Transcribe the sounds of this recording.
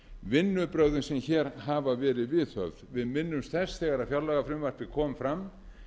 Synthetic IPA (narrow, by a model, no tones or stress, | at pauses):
vɪnːʏpɾœɣðɪnsɛmçɛːɾ̥ɦaːvavɛːɾɪðvɪðθœ̰vɾvɪðmɪnːʏmst̪ɛsθɛɣaɾaðfjawlaɣafɾɪmvar̥pɪkʰɔːmfɾam